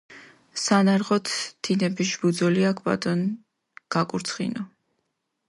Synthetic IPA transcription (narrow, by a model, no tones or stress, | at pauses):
sanaɾʁɔt̪ʰd̪̥inɛbisʒbud̪zɔliakʰpʼa̰t̪ʼɔn | ɡ̥akʼuɾt̪sʰχḭnɔ